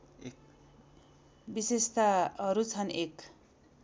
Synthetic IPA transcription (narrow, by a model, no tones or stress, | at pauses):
bisest̪aʌɾut͡sʰʌnek